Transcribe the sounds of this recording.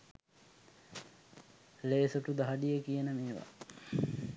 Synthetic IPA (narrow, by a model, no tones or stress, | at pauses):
leːsoʈud̪aɦaɖijəkijənəmeːʋa̰